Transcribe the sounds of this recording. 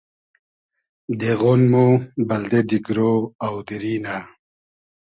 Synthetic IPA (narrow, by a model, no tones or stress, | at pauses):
d̪eɣonmubɐld̪ed̪iɡɾoawd̪iɾina